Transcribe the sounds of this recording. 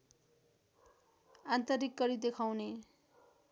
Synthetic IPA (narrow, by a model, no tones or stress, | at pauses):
ant̪ʌɾikːʌɾid̪ekʰawne